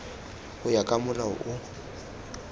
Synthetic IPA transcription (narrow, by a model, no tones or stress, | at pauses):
ʊjakʼamʊlaʊ̰ʔʊ